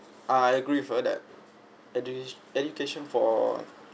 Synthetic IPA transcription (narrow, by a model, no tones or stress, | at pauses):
ʔajəɡɹifədæ̰t̚ | ɛdukʰeʃɔ̃nfɔ